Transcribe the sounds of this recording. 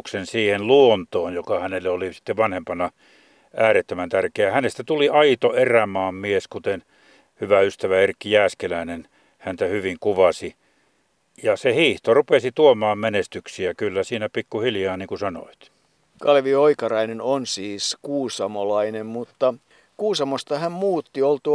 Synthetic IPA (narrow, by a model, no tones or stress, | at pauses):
ksensiːhenluont̪oːnjokɑhænelːeolisi̥t̪ːeʋʋɑnhempɑnɑ | ʔæːɾet̪ːømænt̪ærkeæhænest̪æt̪uliɑit̪oeræmɑːmmieskut̪en | hyʋæyst̪æʋæerkːijæːskelæinen | hænt̪æhyʋiŋkuʋɑsi | jɑsehiːht̪orupesit̪uomɑːmmenest̪yksiækylːæsiːnæpikːuhiljɑːniːŋkusɑno̰it̪ | kɑlʋioikɑrɑinenonsiːskuːsɑmolɑinemmut̪ːɑ | kuːsɑmost̪ɑhæmmuːt̪ːiolt̪u